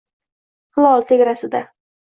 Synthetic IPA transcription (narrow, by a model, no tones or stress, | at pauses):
χɨlˠɒlˠt̪ʰeɡʲɾasɪd̪a